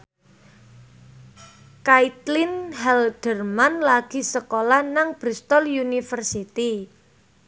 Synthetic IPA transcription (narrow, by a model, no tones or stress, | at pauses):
kait̪lɪnhɛld̥ərmanlaɡ̥i̤səkolahnaŋb̥ɾist̪ɔljunifərsit̪i